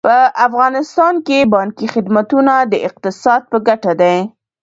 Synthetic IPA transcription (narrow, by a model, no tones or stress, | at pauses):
pəafɣɑnɪst̪ɑnkebɑŋkixɪd̪mat̪unad̪əʔɪq̚t̪ɪsɑd̪̚pəɡaʈad̪aj